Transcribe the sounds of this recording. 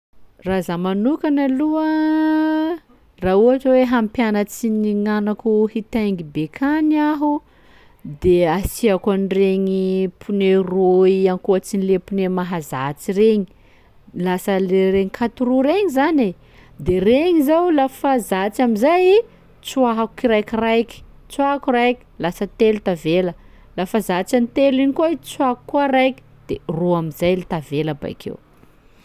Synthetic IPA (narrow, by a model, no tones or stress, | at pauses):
razamanukanaluə | rauaʈ͡ʂaweɦampjanət͡siniŋanakuhit̪ajŋɡibekʰaniaɦu | d̪easiakanireŋipʰuneroiankuət͡sinilepunemaɦazat͡sireɲi | lasəleɾeŋikʰat̪uɾuɾeŋizane | d̪ereŋizawlafazat͡samizaji | t͡suaɦaku̥kiɾajkirajkʲi̥ | t͡suakurajkʲi̥lasət̪elut̪avelə | lafazat͡sanit̪eliɲikoit͡suakukːuaɾajkʲi̥d̪̥eroamizajlit̪aveləba̰jkʰḛw